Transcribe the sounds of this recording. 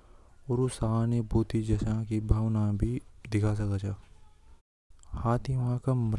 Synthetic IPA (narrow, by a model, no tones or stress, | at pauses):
ɔːɾʊsaːnebuːt̪id͡ʒɐsãkibʱaːʋnabʱid̪ɪkʰas̬ɐkat͡ʃʰaː | haːt̪ʰĩʋɐɦãkamɾ